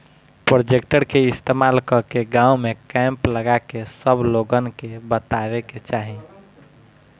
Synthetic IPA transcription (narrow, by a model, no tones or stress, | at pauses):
pɾod͡ʒekʈəɾkeɪst̪emalkəkeɡãumekɛ̃mpləɡakesəbloɡənkebət̪aʋeket͡ʃaɦi